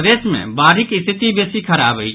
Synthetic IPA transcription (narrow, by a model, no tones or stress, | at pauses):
d̪esmḛ̃baɾikist̪ʰit̪ibesikʰəɾabəj